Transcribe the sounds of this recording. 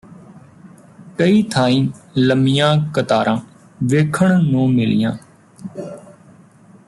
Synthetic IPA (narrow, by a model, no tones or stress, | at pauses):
kəiːt̪ʰaːĩːləmɪjãːkət̪aːɾʔãː | ʋeːkʰəɳnũːmɪlɪjãː